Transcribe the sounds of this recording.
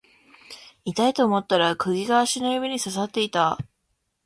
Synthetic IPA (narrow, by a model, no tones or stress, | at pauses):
it̪ait̪o̞ːmo̞t̪ːaɾakɯ̟ɡʲiɡaːɕinojɯbʲiɲ̟isasat̪ːe̞it̪a